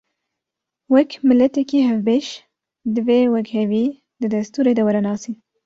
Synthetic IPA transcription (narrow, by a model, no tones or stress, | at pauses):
wɛkmɨlɛt̪ɛkiːɦɛvbeːʃ | d̪ɨveːwɛkheviː | d̪ɨd̪ɐst̪uːɾeːd̪ɐwɛɾɛnɑːsiːn